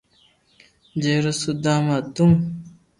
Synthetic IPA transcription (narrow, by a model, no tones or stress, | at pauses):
d͡ʑeɾɐsud̪aːmat̪uŋ